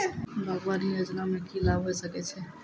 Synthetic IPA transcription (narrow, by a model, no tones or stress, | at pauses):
bʱəɡʋanijod͡ʒnamekilabʱɦojsəket͡ʃʰe